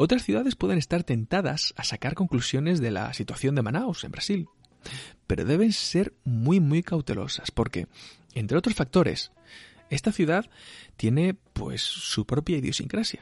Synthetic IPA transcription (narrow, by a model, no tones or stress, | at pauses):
o̞t̪ɾasθjuðaðe̞spwe̞ðe̞ne̞st̪aɾt̪e̞nt̪aðasasakaɾko̞ŋklusjo̞ne̞zðe̞la̰sit̪waθjo̞nd̪e̞manawse̞mbɾasil | pe̞ɾo̞̰ðe̞β̞e̞nse̞ɾmwijmwuijkawt̪e̞̰lo̞̰saspo̞ɾke̞̰ | e̞nt̪ɾeo̞t̪ɾo̞sfak̚t̪o̞ɾe̞̰s | e̞st̪aθjuðaðt̪je̞ne̞pwe̞̰sːupɾo̞pjaiðjo̞sḭŋkɾasja